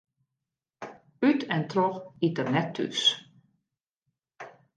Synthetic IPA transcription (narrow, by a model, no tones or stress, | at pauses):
ytɛntrɔxitərnɛtʰːy̰s